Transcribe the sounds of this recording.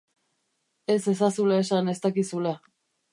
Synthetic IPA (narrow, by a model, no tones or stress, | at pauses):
e̞se̞sasulae̞sane̞st̪akisula